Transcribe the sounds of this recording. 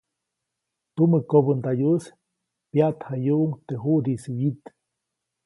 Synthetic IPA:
t̪uməkobənd̪ajus | pjaʔt̪hajuʔuŋt̪eɦuʔɾisijit̪

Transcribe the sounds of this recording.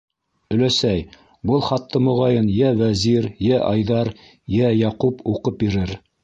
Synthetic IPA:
ɵ̆læsæj | bɤlˠχɑt̪ʰːɤmŏʁɑjɤnjæwæziɾjæʔɑjðɑɾ | jæjɑqupuqɤp̚biɾɘɾ

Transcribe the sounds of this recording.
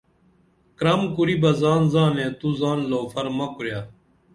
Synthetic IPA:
kɾamkuɾibɐzaːnzaːnẽːt̪uzaːnloːfɐɾmɐkuɾjaː

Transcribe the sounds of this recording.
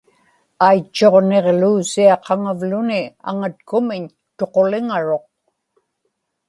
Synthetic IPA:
ajt͡ʃːo̞ʁne̞ʁluːsiɑqɑŋavlʊnɪa̰ŋat̪̚kʊmɪɲ | t̪o̞qo̞lɪŋaɻo̞q̚

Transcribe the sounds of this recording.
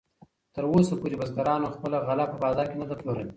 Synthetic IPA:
t̪əɾwosapoɾebazɡaɾɑnoxpəlaɣalɑpəbɑːzɑɾkenad̪aploɾawi

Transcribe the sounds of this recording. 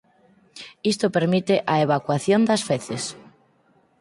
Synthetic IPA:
ist̪opeɾmit̪eʔaeβ̞akwaθjond̪asfeθes

